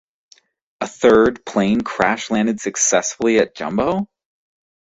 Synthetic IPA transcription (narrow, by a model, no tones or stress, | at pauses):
əθɜ˞d̚pʰl̥ẽɪ̃nkʰɹ̥æʃlæ̃ndɨd̥sɨksɛsfl̩ˠiɨt̚d̥ʒ̥ʌ̰̃mboʊ